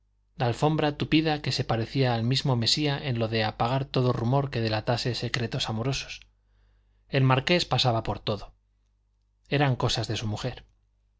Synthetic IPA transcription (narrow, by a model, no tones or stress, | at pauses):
laːlfo̞mbɾat̪upiðake̞se̞paɾe̞θiaːlmizmo̞me̞siaʔe̞nlo̞ðe̞apaɣ̞aɾt̪o̞ðorumo̞ɾke̞ðelat̪ase̞se̞kɾe̞t̪o̞samo̞ɾo̞so̞̥s | e̞lmaɾke̞spasaβapo̞ɾt̪o̞ðo̞ | e̞ɾaŋko̞sazðe̞sumuxe̞ɾ